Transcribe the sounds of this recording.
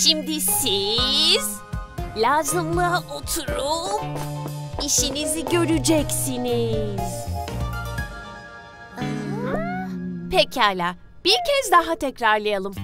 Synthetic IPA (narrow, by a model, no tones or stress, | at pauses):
ʃimd̪isiz̥ | lʲaːzɯmlˠaʔot̪ʰuɾum | iʃiniziɟø̞ɾyd͡ʒɛcsiniz̥ | a | pʰɛcʰaːlʲaː | b̥iɾcʰɛzd̪aɦat̪ʰɛcɾaɾlˠajalˠɯm